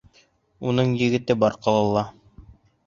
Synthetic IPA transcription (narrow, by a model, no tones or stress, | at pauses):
unɤɴjɘ̆ɡɘ̆t̪ɘbɑɾqɤ̆lˠɤ̆lˠːɑ